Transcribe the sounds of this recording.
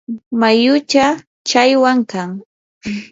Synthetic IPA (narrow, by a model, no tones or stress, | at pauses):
majʊt͡ʃa | t͡ʃajwaŋkaŋ